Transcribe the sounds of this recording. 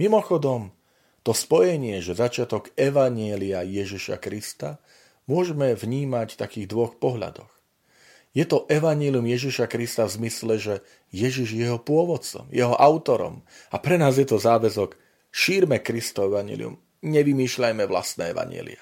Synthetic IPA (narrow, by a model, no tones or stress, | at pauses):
mimɔxɔd̪ɔm | t̪ɔspɔjɛɲɪɛʒɛzat͡ʃɪat̪ɔɡɛʋaɲɪɛliajɛʒiʃa̰kɾist̪a | mʊɔʒɛmɛvɲiːmact̪akiːɣd̪ʋɔxpɔɦʎa̰d̪ɔx | jɛt̪ɔʔɛʋaɲɪɛliumjɛʒiʃakɾist̪avzmislɛʒɛ | jɛʒiʒjɛɦɔpʊɔʋɔt̪t͡sɔ̰mjɛɦɔʔaʊt̪ɔɾɔ̰mapɾɛnaːzjɛt̪ɔzaːʋɛzɔk | ʃiːɾmɛkɾist̪ɔɛʋaɲɪɛ̰lḭṵm | ɲɛʋimiːʃʎajmɛʋla̰st̪nɛ̰ːɛʋa̰ɲɪɛ̰lḭa